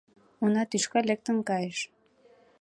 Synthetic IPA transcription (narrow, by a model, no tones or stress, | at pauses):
unɑt̪yʃkɑlek̚t̪ə̆nkɑjəʃ